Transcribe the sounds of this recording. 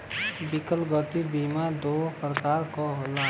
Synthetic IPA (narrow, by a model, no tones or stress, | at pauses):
bikəlɡət̪ibimad̪oːpɾəkaːɾkoɦola